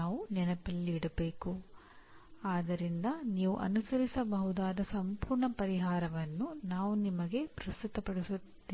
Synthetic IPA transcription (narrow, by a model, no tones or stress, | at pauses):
aːʋunɛnɐpɐlːiːɽɐbe̞ːku | aːd̪ɐɾind̪ɐniːʋṵʔɐ̰nusɐɾisɐbɐɦud̪aːd̪ɐsɐmpuːɾɳɐpɐɾiɦaːɾɐʋɐnːunaːʋunimɐɡe̞pɾɐst̪ut̪ɐpɐɽisut̪ː | iː